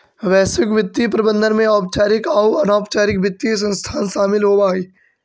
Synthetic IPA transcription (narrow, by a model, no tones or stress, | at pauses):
ʋɛːsʋɪkʋɪt̪ːipɾɐbə̃nd̪ʱənmẽɔːp̚t͡ʃaːɾɪkauɐnaːpt͡ʃaːɾɪkʋɪt̪ːis̬ɐ̃nst̪ʰaːnʃaːmɪlɦobaːiː